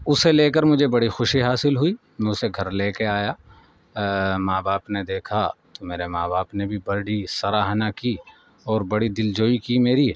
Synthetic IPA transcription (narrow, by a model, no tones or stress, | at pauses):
ʊseleːkəɾmʊd͡ʒʱebɐɽixʊʃiɦaːsɪlɦuiː | mɛ̃ʊseɡʱɐɾleːkeaːjaː | maːbaːpned̪eːkʰat̪omeːɾemaːbaːpnebʱibɐɾɖisɐɾaːɦnaki | ɔːɾbɐɽid̪ɪld͡ʒoːikimeːɾi